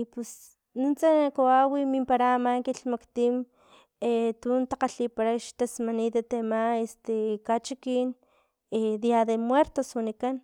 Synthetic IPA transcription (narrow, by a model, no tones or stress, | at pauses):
ipes | nunt͡sakoawimimpaɾaːmaŋkiɬmakt̪im | et̪unt̪aqaɬipaɾaʃt̪asmanid̪et̪emaest̪ekat͡ʃikin | ed̪jaðemweɾt̪oswanikan